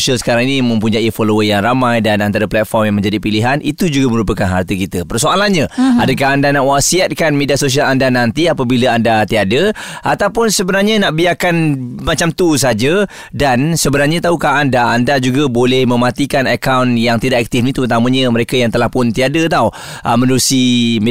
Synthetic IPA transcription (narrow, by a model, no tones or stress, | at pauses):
sialsə̥kaɾãŋinĩmə̃mpuɲaʔifoloəjaŋɾamãjdanant̪aɾaplɛt̪̚fɔrmjaŋmə̃ɲd͡ʒadipiliɦanʔit̪ud͡ʒuɡaməɾupəkanɦa̰rt̪əkit̪əpərsoalanɲəadəkaɦandanaʔwasiat̪̚kanmediasos̬ialandanant̪iapabilaandat̪iadəʔat̪awpʊnsəbənarɲənaʔbiakanmat͡ʃamt̪us̬ad͡ʒə | dansəbənarɲat̪aukaɦandaandad͡ʒuɡabolɛhmə̃mãt̪ikanakawnjaŋt̪idaʔkak̚t̪ɪfnit̪ut̪amə̃ɲəməɾekajaŋt̪əlahpʊnt̪iadət̪aw | ʔəmə̃nusim